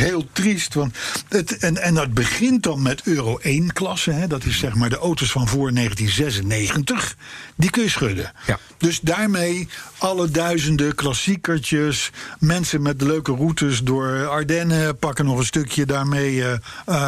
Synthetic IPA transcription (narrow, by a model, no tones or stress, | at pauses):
ɦɪːlˠtristʋɑntətɛnɛndɑd̚bəχɪntdɑnmɛtʰøːrowʔejnklɑsəɦɛdɑtɪsːɛχmaːɹdəʔowtosfɑnvʊːɹnejχəntinzɛsənejχəntəχdikɵnjəsχʏdə̰ | dɵzdaːɹmejɑlədœɥzəndəklɑsikəɹt͡ʃəsmɛnsəmɛt̚dəløɥkərutəsdʊːɹɑɹdɛnəpɑkənɔχənstɵkjədaːɹmej